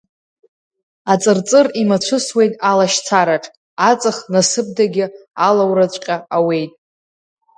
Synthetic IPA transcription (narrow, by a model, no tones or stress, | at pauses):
at͡sʼɨrt͡sʼɨrimat͡ɕʷʰʊswe̞jtʼalaʃt͡sʰaɾaʈ͡ʂʰʼ | at͡sʼaχnasɨb̚daɡʲɪalawrat͡ɕʷʼqʲʼaawe̞jtʼ